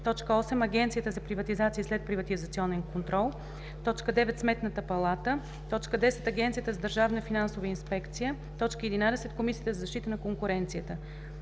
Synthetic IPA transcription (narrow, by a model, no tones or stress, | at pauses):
t̪ɔt͡ʃkəɔsɛmɐɡʲɛnt̪sijət̪əzɐpɾivɐt̪izat̪siːslɛt̪̚pɾivɐt̪izɐt̪siɔnɛnkont̪ɾɔlˠ | t̪ɔt͡ʃkəd̪ɛvɛt̪smɛt̪nət̪əpɐlˠat̪ə | t̪ɔt͡ʃkəd̪ɛsɛ̥t̪ɐɡʲɛnt̪sijət̪əzɐd̪əɾʒavnəfinansovəinspɛkt̪sijə | t̪ɔt͡ʃkəɛd̪inad̪ɛsɛt̪komisiːət̪əzɐzɐʃt̪it̪ənɐkoŋkʊɾɛnt̪sijət̪ə